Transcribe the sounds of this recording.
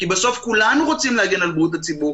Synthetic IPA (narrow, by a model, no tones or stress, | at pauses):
kibesofkulanuχot͡simlaɡinalbut̪̬at͡sibu